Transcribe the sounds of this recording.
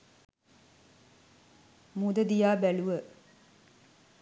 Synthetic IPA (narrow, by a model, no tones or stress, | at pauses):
mud̪əd̪ijaːbæluʋə